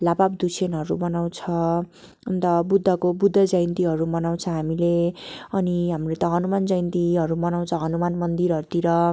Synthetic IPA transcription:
labab̚d̪usʰenʌɾubʌnaw̃t͡sʰʌ | unt̪ʌbud̪ʱːʌkobud̪ʱːʌd͡zʌjnt̪iɦʌɾumʌnaw̃t͡sʰʌɦamileʌniɦamrot̪ʌɦʌnumand͡zʌjnt̪iɦʌɾumʌnaw̃t͡sʰʌɦʌnumanmʌnd̪iɾɦʌɾut̪iɾʌ

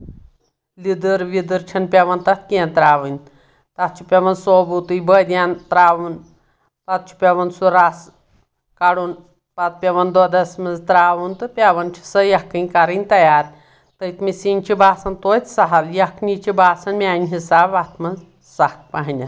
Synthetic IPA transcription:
lid̪ɨɾʋid̪əɾt͡ʃʰɐnpʲeʋɐnt̪at̪̚kiɛnt̪ɾaːʋənʲ | t̪at̪̚t͡ʃʰipʲeʋɐnsobut̪ɨjbəd̪ʲjant̪ɾaːʋun | t̪at̪̚t͡ʃʰi̥pʲeʋɐnsuɾas | kaɽun | pat̪̚pʲeʋɐnd̪od̪ɐsmɐzt̪ɾaːʋunt̪ɨpʲeʋɐnt͡ʃʰi̥səjɐkːɐnʲkaɾinʲt̪ɐjaːɾ | t̪əit̪misint͡ʃʰibʱaːsɐnt̪ojt͡s̪saɦaljɐkʰnit͡ʃibʱaːsɐnmʲanʲɦisaːʋat̪ʰmɐn | sahk̚paɦnʲɐt̪

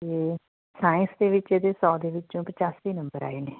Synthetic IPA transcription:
t̪eː | saːɪ̃nsd̪eːʋɪt͡ʃeːd̪eːsɔːd̪eːʋɪt͡ʃõːpət͡ʃaːsʋiːnəmbəɾa̰ːeːneː

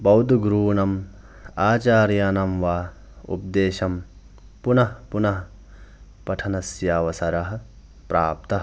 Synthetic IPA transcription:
bɐwd̪ʱɡɾuːnɐm | aːt͡ʃaːɾjaːnɐmʋaː | ṵp̚d̪eːʃɐm | punɐɦpunɐɦɐ | pɐʈʰɐnɐsjaːʋɐsɐɾɐɦɐ̆ | pɾaːp̚t̪ɐɦ

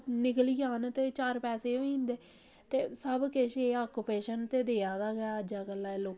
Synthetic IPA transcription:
nɪkəliːɡaːnt̪eːt͡ʃaːɾpɛːseːoːĩːnd̪eː | t̪eːsəbkɪʃeːaːkːupeːʃənt̪eːd̪eːaːd̪aːɡəaːəd͡ʒaːkəlːaːɛloːk

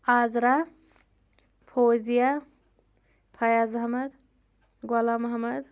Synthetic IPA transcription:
aːzɾa | pʰoːzija | pʰɐjazɐɦmɐd̪ | ɡwɐlamɐɦɐmɐd̪

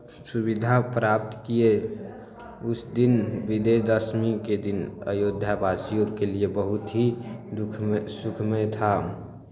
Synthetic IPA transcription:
suβid̪ʱapɾap̚t̪kie | ʊsd̪inbid̪ed̪əsmiked̪inə̰jod̪ʱjabasijokeliebəɦut̪ɦid̪ukʰsukʰmet̪ʰa

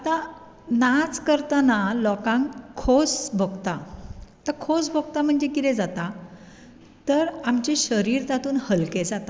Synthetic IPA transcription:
at̪a | nat͡skəɾt̪analɔkãŋkʰːosbʱəɡt̪at̪əkʰosbʱəɡ̚t̪am̤əɳd͡ʑekit̪ɛ̃d͡zat̪a | t̪əɾamt͡ɕeɕəɾiɾt̪at̪uːnhəlked͡zat̪a

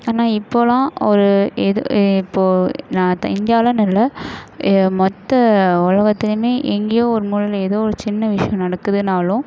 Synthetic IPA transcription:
aːnaːɪpːoːlãːɔɾɯɛðoɪpːoːnãːt̪ɪnd̪ɪjaːlɐnɐlːɐ | mɔt̪ːɐʊlɐɣɐt̪ːɪlɯmeːʔɛŋɡejoːɔɾɯmuːlɐleːðoːɔɾɯt͡ʃɪnːɐʋɪʂɐjɐ̃mnɐɽɐkːɯðɯnaːlʊ̃

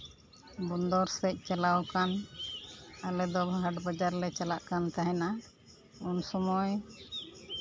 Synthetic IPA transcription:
bɔnd̪ɔɾsɛc̚ˀt͡ʃalawkan | alɛd̪ɔbɦaʈbɔd͡ʒaɾlɛt͡ʃalaʔkant̪aɦɛna | unsɔmɔj

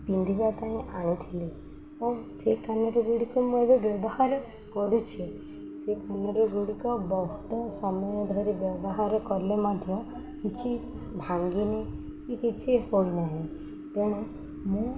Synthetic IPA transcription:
pind̪ʱibat̪aĩʔaɽ̃it̪ʰili | ɔsekanɔɾɔɡuɽikɔmũebɔbjɔbɔhaɾ | kɔɾut͡ʃʰi | sekanɔɾɔɡuɽikɔbɔɦut̪ɔsɔmɔjɔd̪ʱɔɾibjɔbɔɦaɾɔkɔɾlemad̪ʱjɔ | kit͡ʃʰi | bʱaŋɡine | kikit͡ʃʰihojnaɦĩ | t̪eɽ̃e | mũ

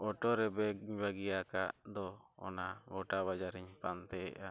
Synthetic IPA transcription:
ɔʈɔɾɛbɛɲbaɡijaka̰ʔd̪ɔɔ̰naɡɔʈaβad͡ʒaɾiɲpant̪ɛɛ̰ʔa

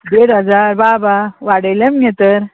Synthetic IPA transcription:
d̪eːɽɐzaːɾbaːbawaːɽelɐmɡet̪əɾ

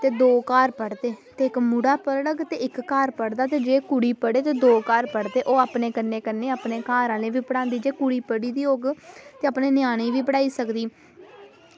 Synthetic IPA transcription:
t̪eːd̪oːkaːɾpəɽd̪eːt̪eːɪkmuɽaːpəɾɽəɡt̪eːɪkːaːɾpəɽd̪aːt̪eːd͡ʒeːkuɽiːpəɽeːt̪eːd̪oːkaːɾpəɽd̪eːʔoːaːpneːkənːeːkənːeːaːpneːkaːɾãːlẽːʋiːpəɽãːnd̪iːd͡ʒeːkuɽiːpəɽiːd̪iːoːɡt̪eːaːpneːnɪjaːñeːʋiːpəɽaːiːsəkd̪iː

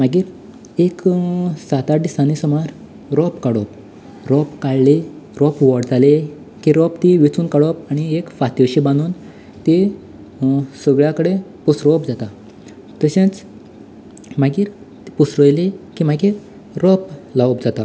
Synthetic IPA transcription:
maɡiːɾ | eksat̪aʈisanisəmaɾ | ɾɔpkaɽɔp | ɾɔpkaɭleɾɔpʋɔɽd͡zale | kiɾɔpt̪iʋit͡suːnkaɽɔpaɽ̃iekfat̪əɕibãnd̪uːn | t̪i | səɡɭjakəɽepusɾɔpd͡zat̪a | t̪əɕãt͡s | maɡiːɾ | t̪i̥pusɾəjlekimaɡiːɾ | ɾɔplawp̚d͡zat̪a

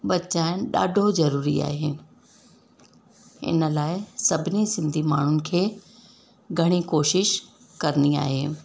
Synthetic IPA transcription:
ɓɐt͡ɕaːɪñɗa̰ːɖʱozɐɾuːɾḭa̰ːɦe | ɪ̰nə̆laːɪsɐbʱɪnisɪ̃nd̪ʱimaːɳ̤ʊnɪ̆kʰeː | ɡʱɐɽ̃ikoːʃɪʃ | kɐɾnia̰ːɦeː

